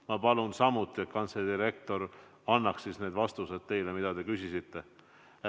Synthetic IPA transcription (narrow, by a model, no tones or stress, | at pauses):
mɑpɑlunsɑmut̪ːˑiet̪̚kɑnt̪sed̪iɾe̞k̚t̪o̞ɾ | ɑnːɑkssisne̞ːd̪vɑst̪use̞d̪̥t̪e̞jlemid̪̥ɑd̪e̞kysisit̪ːe̞